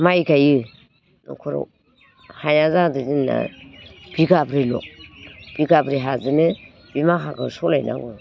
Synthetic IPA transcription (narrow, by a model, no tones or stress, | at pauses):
majkaji | nṵkʰuɾo̰ | hajazaduzinːa̰b̥iɡabɾilo̰b̥iɡabɾiɦazine | bimaɦakasolajna̰ɡo